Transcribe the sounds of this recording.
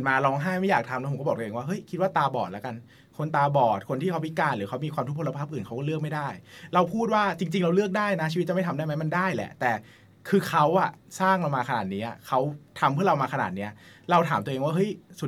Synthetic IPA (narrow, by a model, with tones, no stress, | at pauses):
maː˧ɾɔː˧˥ŋɦaː˥˩jma˥˩jaː˨˩k̚t̪ʰa˧mlɛ˦˥pʰkɔ˥˩bɔː˨˩t̪ːeː˧waː˥˩ɦɤ˦˥jkʰi˦˥t̪̚waː˥˩t̪aː˧bɔː˨˩t̪̚lɛ˦˥ka˧n | kʰo˧nt̪aː˧bɔː˨˩t̪̚kʰo˧nt̪ʰiː˥˩kʰa˦˥pʰi˦˥kaː˧nlɯː˩˦kʰa˦˥wmiː˧kwa˧mt̪u˦˥kpʰo˧la˧pʰaː˥˩p̚ʔɯː˨˩nʰka˦˥wkɔː˥lɯ˥˩ək̚ma˥˩jdaː˥˩jɾa˧wpʰuː˥˩t̪̚waː˥˩t͡ɕi˧ŋt͡ɕi˧ŋɾa˧wlɯ˥˩ək̚daː˥˩jna˦t͡ɕʰiː˧˦t̚t͡ɕa˨˩ma˥˩t̪ʰa˧mdaː˥˩ma˦˥jma˧ndaː˥˩jlɛ̰˨˩ʔt̪ɛː˨˩ | kʰɯː˧kʰa˦˥wʔa˨˩saː˥˩ŋɾa˧wmaː˧kʰnaː˨˩t̪̚niː˦˥ʔa˨˩kʰa˦˥wt̪ʰa˧mpʰɯ˥˩˨ɾa˧wmaː˧kʰa˧na̰ː˨˩t̪̚niː˦˥ɐɾa˧wt̪ʰaː˩˦mt̪u˧ʔeː˧ŋwaː˥˩ɦɤ˦˥˩jsu˨˩t